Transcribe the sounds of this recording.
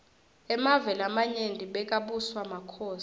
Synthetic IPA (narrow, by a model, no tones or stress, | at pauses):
ɛmavɛlamaɲendʱiɓɛk̬ʼaɓuswamakʰɔːs